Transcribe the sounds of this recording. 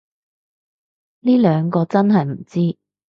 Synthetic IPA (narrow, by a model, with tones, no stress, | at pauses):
niː˥lœː˨˧ŋkɔː˧t͡sɐ˥nɦɐ˨jm̩˨˩t͡siː˥